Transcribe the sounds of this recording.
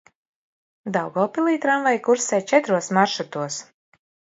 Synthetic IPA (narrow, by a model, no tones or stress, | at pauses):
d̪awɡɔːpilˠiːt̪ɾamvajkuɾsɛjt͡ʃɛt̪ɾuɔsmaɾʃut̪uɔs